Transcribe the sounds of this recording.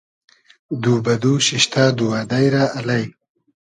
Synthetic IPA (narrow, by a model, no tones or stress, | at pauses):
d̪uːbɐd̪uːɕiɕt̪ʰaːd̪uwaːd̪ajɾaːʔalajn